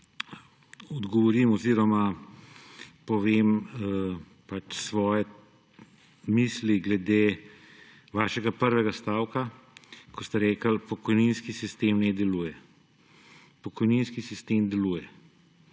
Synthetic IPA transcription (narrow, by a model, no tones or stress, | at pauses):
ɔd̪ɡɔʋɔɾimɔziɾɔma | pɔʋeːm | pat͡ʃsʋɔːjɛ | miːsliɡlɛd̪eː | ʋaːʃɛɡapəɾʋɛɡast̪aːwka | kɔst̪ɛɾɛːkəlpɔkɔjninskisist̪eːmnɛd̪ɛluːjɛ | pɔkɔjninskisist̪eːmd̪ɛluːjɛ